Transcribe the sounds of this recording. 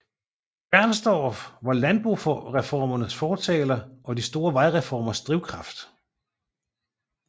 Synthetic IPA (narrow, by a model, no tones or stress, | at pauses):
b̥æɐ̰nsd̥ɒːfʋɑ̈lænb̥ʁṵfʁɛfɒ̰ːmɐnəsfɒːt͡sʰɛːlɐʔɒ̽disd̥o̝ːɐʋɑ̈ɪʁɛfɒ̰ːmɐsd̥ʁiʊkʰʁɑ̈fd̥